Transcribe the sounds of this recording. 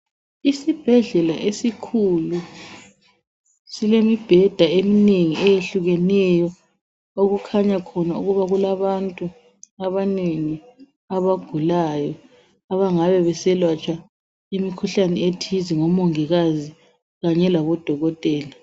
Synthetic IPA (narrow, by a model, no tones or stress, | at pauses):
isib̥ʱɛɮɛlaʔesikʰulu | silemib̥ʱɛd̥ʱaemineŋiʔɛjeɬuɣɛnɛjɔ | oɣukʰaɲakʰɔnauɣuβaɣulaβantʼu | aβaneŋi | aβaɡ̥ʱulajɔ | aβaŋaβɛβɛsɛlwat͡ʃʼa | imikʰuɬanɛetʰiziŋɔmɔŋiɣazi | ɣaɲɛlaβɔd̥ʱɔɣɔtʼɛːla